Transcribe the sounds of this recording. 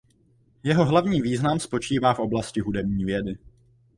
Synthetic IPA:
jɛɦo̞ɦlavɲiːviːznamspo̞t͡ʃiːvaːfʔo̞blascɪɦudɛbɲiːvjɛdɪ

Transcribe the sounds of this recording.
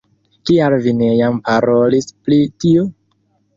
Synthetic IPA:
kialvine̞jampaɾolisplitio

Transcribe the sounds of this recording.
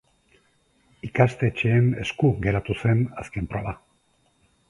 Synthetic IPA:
ikast̪e̞t͡ʃeːne̞skuɣe̞ɾat̪use̞naske̞mpɾoβa

